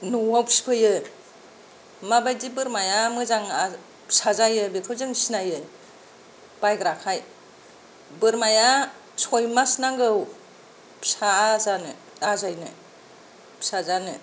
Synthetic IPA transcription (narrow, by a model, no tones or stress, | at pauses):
nuwawpspʰɯjɯ | mabajdibɯɾmajamɯzaŋa | sazajɯbekʰɯwzɯŋsinajɯ | b̥ajɡɾakʰaj | bɯɾmaja | sɔjmasnaŋɡɯw | psazanɯ | azajnɯ̰ | psazanɯ